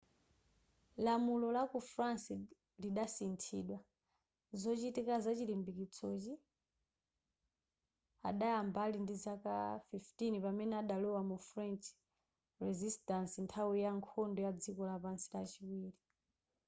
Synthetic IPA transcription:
lamulɔlakufɾansi | liɗasintʰḭːɗwa | zɔt͡ʃitikazat͡ʃilimbikit͡sʰɔt͡ʃi | a̰ɗajambalindizaka̰fiftinipamɛnɛaɗalɔwamufɾɛnt͡ʃ | rɛzistansintʰawijaŋkʰɔndɔjad͡zikɔlapansi̥lat͡ʃiwiːli

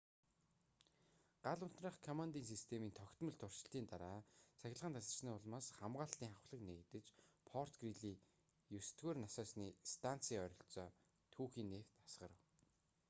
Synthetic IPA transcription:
ɢ̥aɮʊn̥t̪raːχkʰɔmant̪iːnsist̪ʰemiːnt̪ʰɔkt̪mɵ̆ɮt̪ʰʊr̥ʃɪ̥̆ɬt̪iːnt̪aɾaːt͡sʰæxʲɪ̆ɮʁə̆nt̪ʰasə̆rt͡ɕniːʊɮmaːsχamɢaːɬt̪iːŋχawχɮə̆knekt̪ɘ̆t͡ɕpʰɔr̥t̪ɡriɮiː | jusɘ̥̆t̪ɡeːrnasɔːsniːst̪ʰan̥t͡siːœɾʲɞ̆ɬt͡sɔː | t̪ʰuːxiːnːeft̪ḁsɢə̰̆ɾə̆w

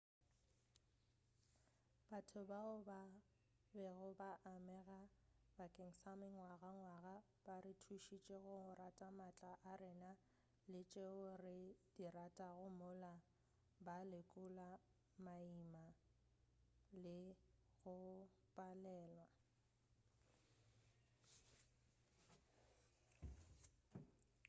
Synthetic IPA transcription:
b̥atʰʊbaʊba | bɛɣʊbaʔamɛɣabakʼeŋ̩samɪŋwaɣaŋwaɣa | b̥arɪtʰuʃit͡ʃʼeɣʊʊratʼamat͡ɬʼaʔarɪna | lɪt͡ʃʼeʊrɪd̥iratʼaɣʊmʊla | balɪkʼʊla | maima | lɪ | ɣʊ | pʼalɛːlwa

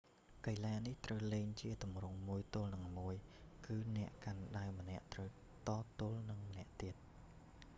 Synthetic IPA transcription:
kəjlaːniht̪rəwleːŋt͡ɕiət̪umrʊŋmuəjt̪ʊ̆əlnɨŋmuəjkɨːnɛ̆əʔkanɗaɛmənɛ̆əʔt̪rəw | t̪ɑːt̪ŭəlnɨŋmə̆nɛ̆əʔt̪iət̪̚

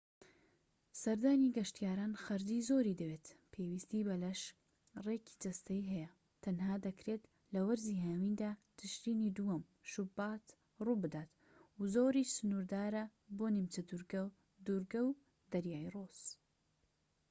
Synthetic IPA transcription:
sɐɾd̪aːniɡɐʃt̪ijaːɾaːnxɐɾd̪iːzoɾiːd̪ɐwet̪pʰewist̪iːbɐlɐʃ | reːkʰi̥d͡ʒɐst̪ɐiɦɛjɐ | t̪ʰɐnɦaːd̪ɐkɾet̪ | lɐwɐɾziːɦawind̪aːd̪ɨʃɾiːnid̪uwɐm | ʃʊbaːt̪ | ruːbɨd̪aːt̪ | uzoːɾiːsʊnuɾd̪aːɾɐboːnimt͡ʃɐd̪uɾɡ | d̪uɾɡɐw | d̪̥ɐɾjaːjroz̥

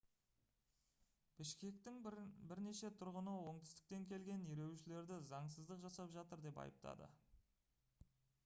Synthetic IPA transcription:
b̥ɪʃkʲe̞k̚t̪ɪŋbɪɾne̞ʃe̞t̪ʰʊɾʁənəwo̞ɴt̪ɪst̪ɪ̥k̚t̪e̞ŋkʲʰe̞lɡʲe̞niɾe̞wʃɪle̞ɾd̪ɪzɑɴsəzd̪əqʒɑsɑpʒɑt̪əɾd̪e̞pɑ̰jəp̚t̪ʰɑ̰d̪ə̰

